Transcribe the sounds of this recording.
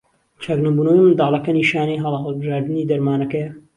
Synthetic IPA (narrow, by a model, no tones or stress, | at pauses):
t͡ʃʰaɡnɐmbuːnɐwimɨnd̪ɑːlˠɐkɐniːʃaːniːɦɐlɦɐlˠbɨʒaːɾd̪ɨniːd̪ɐɾmaːnɐkɐjɐ